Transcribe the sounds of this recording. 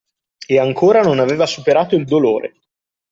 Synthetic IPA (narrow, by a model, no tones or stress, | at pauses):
eaŋkʰoːɾanonaveːvasupeɾaːt̪oild̪oloːɾʔḛ